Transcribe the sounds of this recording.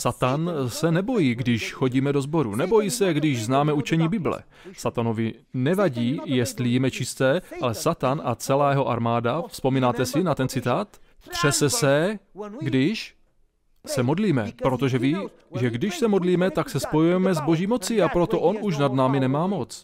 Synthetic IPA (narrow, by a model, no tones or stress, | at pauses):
sat̪ansɛnɛbo̞jiːɡdɪʃxoɟiːmɛdo̞zbo̞ɾunɛbo̞jiːsɛɡdɪʒznaːmɛut͡ʃɛɲiːbɪblɛ̰ | sat̪ano̞vɪ | nɛvaɟiːjɛst̪lijɛmɛt͡ʃɪst̪ɛːʔalɛsat̪anʔat͡sɛlaːjɛɦo̞ʔaɾmaːdafspo̞miːnaːt̪ɛsɪnat̪ɛnt͡sɪt̪aːt̪ | t̪r̝̥ɛsɛsɛɡdɪʃ | sɛmo̞dliːmɛpɾo̞t̪o̞ʒɛviː | ʒɛɡdɪʃsɛmodliːmɛt̪aksɛspo̞jujɛmɛzbo̞ʒiːmo̞t͡sɪapɾo̞t̪o̞ʔo̞nuʃ̬nadnaːmɪnɛmaːmo̞t͡s